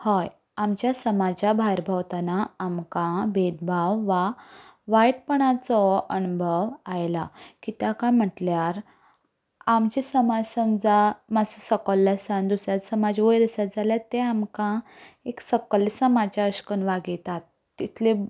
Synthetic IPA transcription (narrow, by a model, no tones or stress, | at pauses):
həj | amt͡ɕjasəmad͡ʑabʱajɾbʱəʋt̪anaːmkãbed̪bʱaʋːaʋajt̪̚pəɳ̃at͡sɔənubʱəʋajlakit̪jakãm̤əʈljaɾ | amt͡ɕisəmad͡zsəmd͡zamasesəkəlːasãnd̪usɾjat̪səmad͡ʑʋəjɾəsad͡zaljat̪ːeamkãeksəkəlːsəmad͡ʑjaəɕkənʋaɡet̪at̪ːit̪ʰle